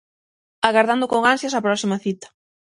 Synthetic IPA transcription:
aɣaɾðand̪ʊkoŋansjasapɾɔsimɐθit̪ɐ̥

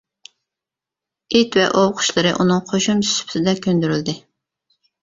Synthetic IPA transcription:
it̪vɛ̰ʔowqʰʊ̥ʃlˠɨɾɨʔunɨŋqʰoʃumsy̥spʰsɪd̪ɛkʲʰønd̪yɾyld̪ɪ

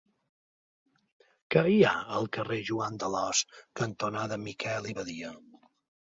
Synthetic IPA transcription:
kəiaəlˠkəreʒuand̪əlɔskənt̪unaðəmikʰɛliβəðiə

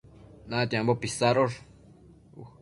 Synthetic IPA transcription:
nãt̪iãmbopisaɾoʐ | u

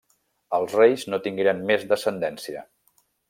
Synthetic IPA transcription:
əlˠzrejznot̪iŋɡeɾənmezðəsənd̪ɛnsiə̰

